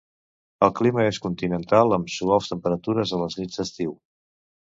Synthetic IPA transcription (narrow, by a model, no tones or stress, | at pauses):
əlˠkliməeskunt̪inənt̪alˠəmsuɔlˠst̪əmpəɾət̪uɾəzələznid͡zəst̪iw